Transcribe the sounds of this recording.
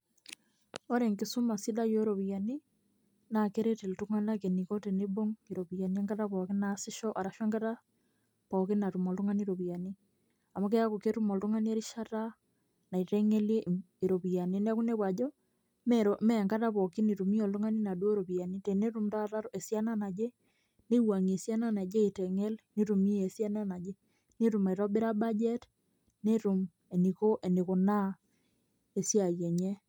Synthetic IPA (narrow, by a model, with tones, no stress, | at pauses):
o˦ɾe˨ŋki˨su˦ma˨si˦da˦jo˦eɾo˨βi˨ja˨ni˦ | na˨ke˦ɾe˦te˨ltu˦ŋa˦nake˨ni˨ko˦te˨ne˦bo˦ŋiɾo˨βi˨a˨ni˦e˦ŋɡa˦ta˦βɔ˨ki˦nasi˦ʃɔ˦ʔa˨ɾa˨ʃwe˦ŋɡa˦ta˦ | pɔ˨ki˦na˨tu˨mo˨ltu˦ŋa˦ni˦iɾo˨βi˨a˨ni | a˨mo˦ke˦ja˦ko˨ke˦tu˦mo˨ltu˦ŋa˦ni˦e˦ɾi˦ʃa˦ta | na˨i˨te˦ŋe˦lje˦ | i˨ɾo˨βi˨a˨nin˦a˦ku˦ne˦βwa˨d͡ʒɔ˦ | mɾome˦˨ŋɡa˦ta˦βɔ˨ki˦ni˨ɾu˨mi˦o˨ltu˦ŋa˦ni˦na˨dwɾo˨pi˨ja˨ni˦te˨ne˦ɾu˦mta˦ta˦e˨sja˦na˦na˨d͡ʒe˦ | ne˦wa˨ŋ˨e˨sja˦na˦na˨d͡ʒe˦i˨tɛ˨ŋe˦lni˦ɾu˨mi˦je˨sja˦na˦na˨d͡ʒe˦ | ne˦ɾu˨ma˨i˨ɾo˦bi˦ɾa˦ba˦d͡ʒɛ˦t | ne˦ɾu˨m | e˨ni˨ko˦ʔe˨ni˨ko˨na˦ | e˨sja˨je˨ɲe˦